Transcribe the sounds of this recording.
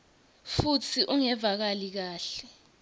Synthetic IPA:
futʰiʔuŋɛvak̬alik̬aːɬɛ

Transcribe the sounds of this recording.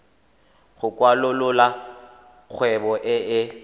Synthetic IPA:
ɣʊkʼwalʊlʊla | k͡xʰwɛbɔʔɪɪ

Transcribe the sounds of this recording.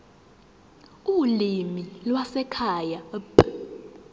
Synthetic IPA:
ulimilwasɛkʰajapʼ

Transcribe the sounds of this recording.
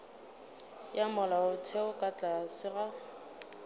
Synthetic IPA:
jamɔlaʊtʰeʊkʼat͡ɬʼasɪɣa

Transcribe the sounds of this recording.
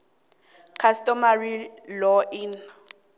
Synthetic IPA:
kʰastʼɔmarilɔʔin

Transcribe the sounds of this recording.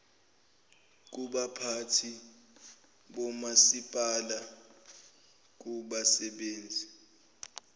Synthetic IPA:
k̬uɓapʰatʰi | ɓɔmasipʼala | k̬uɓasɛɓeːnd͡zʱi

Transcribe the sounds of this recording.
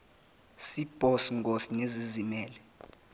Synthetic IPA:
sib̥ʱɔsŋɡosinezizimɛːlɛ

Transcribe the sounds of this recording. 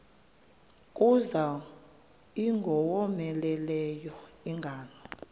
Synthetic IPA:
kʼuza | iŋɡʱɔwɔmɛlɛlɛjɔiŋɡʱaːnɔ

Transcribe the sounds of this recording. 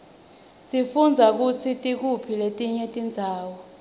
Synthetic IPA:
sifund͡zʱak̬ut͡sʰitʼik̬upʰiletʼiɲɛtʼind͡zʱaːwɔ

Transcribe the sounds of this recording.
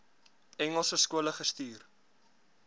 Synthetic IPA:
ɛŋəlˠsəskuələχəstyːr

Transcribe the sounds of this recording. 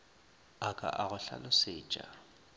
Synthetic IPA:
akʼa̰ʔaɣʊɬa̰lʊsɪ̥ːt͡ʃʼa

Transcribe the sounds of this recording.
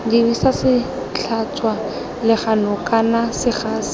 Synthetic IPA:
dɪbisasɪ | t͡ɬʰat͡ʃʼwa | lɪχanʊkʼanasɪχaːsɪ̥

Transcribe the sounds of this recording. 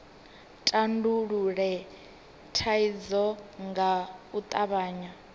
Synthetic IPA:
tʼanduɺuɺɛ | tʰaid͡zɔŋɡaut̪ʼaβaːɲa

